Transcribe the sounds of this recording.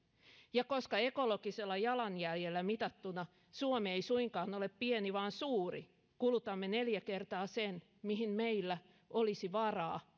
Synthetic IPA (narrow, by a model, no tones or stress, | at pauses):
jɑkoskɑekolokiselːɑjɑlɑnjæljelːæmit̪ɑt̪ːunɑ | suomeeisuiŋkɑːnoleppieniʋɑːnsuːrḭ | kulut̪ɑmːeneljækert̪ɑːsen | miɦhimmeilːæ | ʔolisiʋɑrɑː